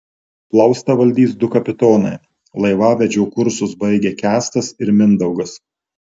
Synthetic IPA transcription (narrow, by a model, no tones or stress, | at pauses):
plˠɐʊst̪ɐʋɐlʲd̪ʲiːs̬d̪ʊkɐpʲɪt̪oːnɐɪ | lˠɐɪʋɑːʋʲɛd͡ʒʲɛʊkʊɾsʊsbɐɪɡʲeːkʲæːst̪ɐsɪɾmʲɪnd̪ɐʊɡɐs